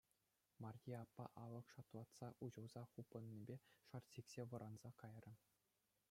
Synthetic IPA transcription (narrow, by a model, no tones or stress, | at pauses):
mɑrʲjʲiɑpːɑ̰ʔɑlɤ̆kʂɑt̪lˠɑt̪sɑʔuʑɤ̆lˠzɑχupːɤ̆nʲːibʲeʂɑrsiksʲeʋɤ̆ɾʔɑnz̥ɑkɑjrʲɤ̆